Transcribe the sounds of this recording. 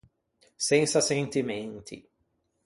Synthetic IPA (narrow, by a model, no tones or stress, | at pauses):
sẽŋsɐsẽnt̪imẽnt̪ʰɪ̰